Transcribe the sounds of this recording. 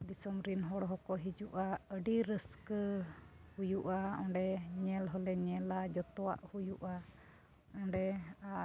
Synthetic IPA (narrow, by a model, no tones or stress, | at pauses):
d̪isɔmɾinɦɔɽɔɦɔkɔɦid͡ʒuʔaəɖiɾəskə | hujuʔaɔ̃ɳɖɛɲɛlɦɔlɛɲɛlad͡ʒɔt̪ɔa̰ʔhujuʔa | ɔ̃ɳɖɛa